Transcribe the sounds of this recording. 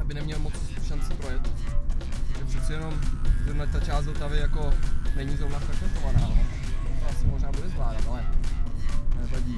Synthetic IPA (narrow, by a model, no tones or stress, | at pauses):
jabɪnɛmɲɛlmot͡sʃant͡sɪpɾojɛt̪ | ʒɛpr̥ɛt̪t͡sɛjɛno̞mzɛnat̪at͡ʃaːstdzot̪avɪjako̞nɛɲizɾobnaskaʃɛt̪ovanaːnot̪oasɪmoʒnaːbudɛzvlaːdat̪ʔalɛ | ɛt̪aɟi